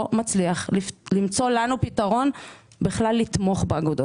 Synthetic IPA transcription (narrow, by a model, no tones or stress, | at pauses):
mat͡sliaχlimt͡so̞lanupitaʁo̞n | biχlalːit̪mo̞χbeaɡud̪o